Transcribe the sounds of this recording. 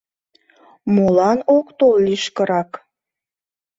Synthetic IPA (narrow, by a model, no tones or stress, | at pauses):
molɑnokt̪olliʃkəɾɑk